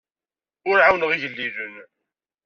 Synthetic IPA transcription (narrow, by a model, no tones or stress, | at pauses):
ʊɾʕawnʁiʝəlːiðən